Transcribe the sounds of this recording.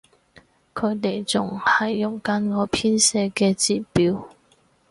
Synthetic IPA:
kʰɵ˨˧ɥt̪e˨˩jt͡sʊ˨˩ŋhɐ˨jːʊ˨˩ŋkɐ˧˥nŋɔː˨˧pʰiː˥nsɛː˧kɛː˧t͡siː˨˩piː˨˥w

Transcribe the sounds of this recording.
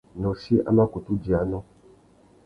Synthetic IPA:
nɔ̃˨si˦ʔa̰˦ma˦ku˨tu˦d͡ʒi˨a˨nɔ̃˦

